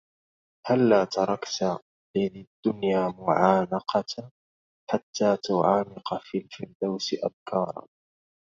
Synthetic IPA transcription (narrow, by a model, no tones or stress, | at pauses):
halːaːt̪ɑɾˤɑkt̪a | lɪðid̪ːʊnjaːmʊʕaːnɑqʰɑt̪ | ħat̪ʰːaːt̪ʊʕaːnɪqfilfɪɾd̪awsɪʔa̰bkʰɑːɾˤɑ̰n